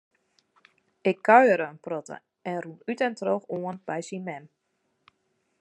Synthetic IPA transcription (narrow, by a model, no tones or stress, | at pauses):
ɪkʰːœɥəɾəənprɔtə̰ | ɛnrunytɛntroxoənb̥ɛjsimɛm